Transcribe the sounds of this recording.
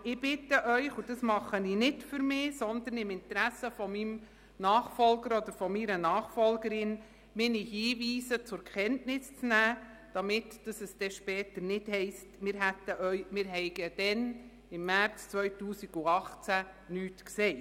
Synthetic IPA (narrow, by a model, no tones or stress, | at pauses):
ɪb̥ɪt̪əʔœʏχud̥ɑsmɑχəninɪdfʏɾmɪːsɔnd̪ənɪmɪnt̪ɾæsəfɔmim | nɑːχfɔlɡəɾɔd̪əɾfɔmiɾənɑːχfɔlɡəɾɪn | mɪnihiːʋiːsət͡sʊɾkχɛntnɪst͡snæː | d̥ɑmɪtd̥ɑsɛsd̥ɛʃpɛːt̪əɾnɪthɛɪstmɪɾɦæt̪ːəʔœʏmɪːɾɦɛɪɡəd̥ɛn | ɪmːært͡st͡sʋœʏtuːsiɡ̥uɑχt͡sæ | nyːtkseː